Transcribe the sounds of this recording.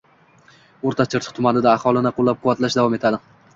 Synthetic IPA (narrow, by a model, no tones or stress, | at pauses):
oɾt̪ʰat͡ʃʰɪɾt͡ʃ̪ʰɨ̥qt̪ʰʊmanɪd̪aːhɒlˠɪnɪqʰolˠːap̚qʰʊvat̪laʃd̪avɒme̞t̪ʰad̪ɪ